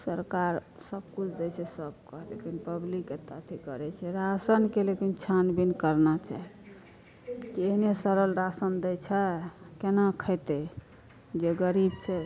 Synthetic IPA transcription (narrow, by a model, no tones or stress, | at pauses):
səɾkaɾsəb̚kut͡ʃʰd̪ɛt͡ʃʰɛsəb̚kɔɦlekinpəblikːet̪ət̪ʰikəɾɛt͡ʃʰɛɾasənkelekint͡ʃʰanbinkəɾnat͡ʃa̰ɦɛ | kieɦnesəɾəlɾasənd̪ɛjt͡ʃʰɛkenakʰəɪt̪e | d͡ʒeɡəɾibt͡ʃʰɛ